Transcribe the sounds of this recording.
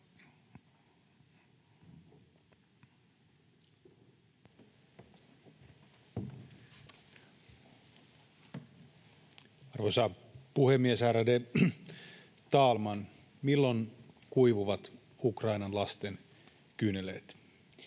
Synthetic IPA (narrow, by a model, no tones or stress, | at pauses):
ɑrʋosɑ | puhemːiesæɾæde | t̪ɑːlmɑn | milːo̞nkujʋuʋɑt̪ | ukrɑinɑnlɑst̪en | kynːelet̪